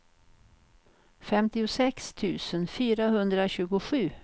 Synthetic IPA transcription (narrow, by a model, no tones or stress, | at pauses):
fɛmt̪ɪʊsɛkst̪ʰʉ̟ːsənfyːɾaɦɵnd̪ɾaɕʉ̟ːɡʊɧʉ̟ː